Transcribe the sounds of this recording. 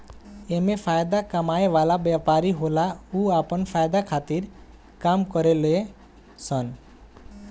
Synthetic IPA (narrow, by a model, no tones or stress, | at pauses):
emepʰajd̪akəmaeʋalabjapaɾiɦolauapənpʰaːjd̪akʰaːt̪iɾ | kaːmkəɾele | sən